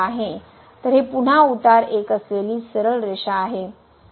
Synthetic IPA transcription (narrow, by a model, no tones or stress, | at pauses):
aɦe | t̪əɾɦepuɳ̤aut̪aɾekəsleliːsəɾəɭɾeɕaːɦe